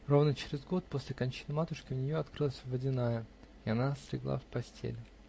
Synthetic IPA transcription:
ro̞vnət͡ɕɪɾʲɪzɡo̞t̪̚po̞sʲlʲɪkɐnʲt͡ɕi̥nɨmat̪ʊʂkʲɪʊnʲɪjo̞ɐt̪kɾɨlˠəsʲvədʲɪnajə | ɪɐnast̪ɾʲɪ̰ɡlˠa̰fpɐsʲtʲʰḛlʲ

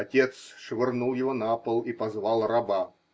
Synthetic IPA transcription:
ɐtʲet̪sʂvʲɪrnulˠjɪvonapəlˠipɐzvɑlˠrɐba

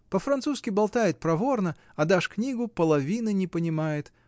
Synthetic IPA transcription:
pəfɾɐnt̪suskʲɪbɐlˠt̪ajɪt̪̚pɾɐvo̞rnə | ɐd̪aʂknʲiɡʊpəlˠɐvʲinɨnʲɪpənʲɪmajɪt̪

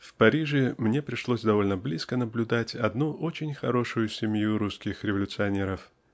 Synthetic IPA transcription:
fpɐɾʲiʐɨmnʲe̞pɾʲɪʂlˠosʲd̪ɐvo̞lʲnəblʲiskənəblʲʊd̪atʲɐd̪nuʔo̞t͡ɕɪnʲxɐɾo̞ʂʊjʊsʲɪmʲjuɾuskʲɪxɾʲɪvəlʲʊt̪sɨɐnʲe̞ɾəf

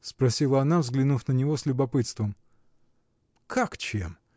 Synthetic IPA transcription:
spɾɐsʲilˠəɐnavzɡlʲɪnufnənʲɪvoslʲʊbɐpɨt̪st̪vəm | kʰakt͡ɕḛm

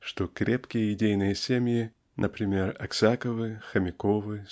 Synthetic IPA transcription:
ʂt̪okɾʲepkʲɪjəɪdʲejnɨjəsʲemʲjɪ | nʔəpɾʲɪmʲerɐksʲakəvɨxəmʲɪkovɨ

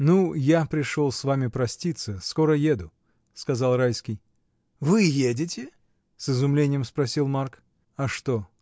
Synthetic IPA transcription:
nujapɾʲɪʂolˠsvamʲɪpɾɐsʲtʲit̪səsko̞ɾəjed̪ʊ | skɐzɑlˠrajskʲɪj | vɨjedʲɪtʲɪ | sɨzʊmlʲenʲɪjəmspɾɐsʲilˠmark | ɐʂt̪o

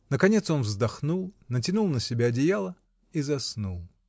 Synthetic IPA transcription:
nəkɐnʲe̞t̪so̞nvzd̪ɐxnulˠnət̬ʲɪnulˠnəsʲɪbʲaːdʲɪjalˠə | izɐsnulˠ

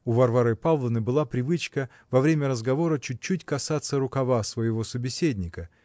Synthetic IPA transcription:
ʊvɐrvaɾɨpavlˠənɨbɨlˠapɾʲɪvɨt͡ɕkə | vɐvɾʲemʲəɾəzɡɐvo̞ɾət͡ɕʊt̚ʲt͡ɕːutʲkɐsat̪sːəɾʊkɐvasvəjɪvo̞səbʲɪsʲedʲnʲɪkə

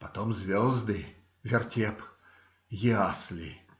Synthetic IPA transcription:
pɐt̪omzʲvʲɔzd̪ɨ | vʲɪrtʲep | jɪaslʲɪ

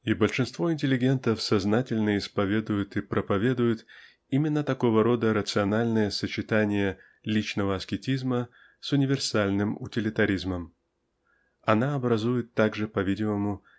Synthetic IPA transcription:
ibəlʲʂɨnst̪vo̞ɪnʲtʲɪlʲːɪɡʲe̞nt̪əfsɐznatʲɪlʲnəɪspɐvʲe̞d̪ʊjʊt̪ɨpɾʔəpɐvʲe̞d̪ʊjʊt̪ | imʲɪnːət̪ɐko̞vəɾo̞d̪əɾət̪sɨɐnalʲnəjəsət͡ɕɪt̪anʲɪjə | lʲit͡ɕnəvəɐskʲɪtʲizmə | sʊnʲɪvʲɪrsalʲnɨmʊ̰tʲɪlʲɪt̪ɐɾʲizməm | ɐnaɐbɾɐzujɪt̪ːaɡʐɨpɐvʲidʲɪməmʊ

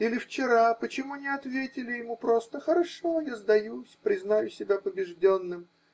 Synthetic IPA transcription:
ilʲɪft͡ɕɪɾapət͡ɕɪmunʲɪɐt̪vʲetʲɪlʲɪjɪmupɾo̞st̪əxəɾɐʂojazd̪ɐjusʲpɾʲɪznajʊsʲɪbʲapəbʲɪʐdʲonːɨm

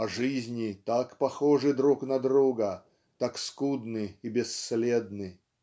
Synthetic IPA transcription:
ɐʐɨzʲnʲɪt̪akpɐxoʐɨd̪ɾuknɐd̪ɾuɡə | t̪akskud̪nɨibʲɪsːlʲed̪nɨ

